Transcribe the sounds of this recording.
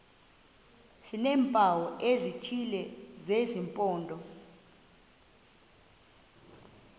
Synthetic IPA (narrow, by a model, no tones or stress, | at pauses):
sinɛːmpʼawɔʔezitʰilɛzezimpʼɔːndʱɔ